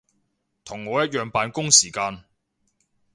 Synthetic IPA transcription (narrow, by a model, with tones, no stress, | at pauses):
t̪ʰʊ˨˩ŋːɔː˨˧jɐ˥t̚jœː˨˧ŋpaː˨˧nkʊ˥ŋsiː˨˩kaː˧n